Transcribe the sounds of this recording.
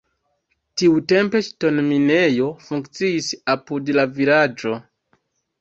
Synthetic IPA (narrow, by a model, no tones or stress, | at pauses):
tiute̞mpe̞t͡ʃto̞nmine̞jo̞fuŋkt͡siisapudlavilad͡ʒo̞